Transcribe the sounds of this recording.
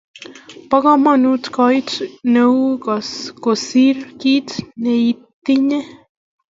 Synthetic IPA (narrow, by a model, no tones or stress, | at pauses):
pɑɡ̥ɑmɑnut̪kɑjt̪nəwkɑskosirkit̪neit̪ːine